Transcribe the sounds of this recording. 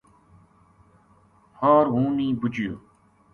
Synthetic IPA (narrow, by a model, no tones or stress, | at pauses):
haːɾɦũːnĩːbut͡ʃijo̰ː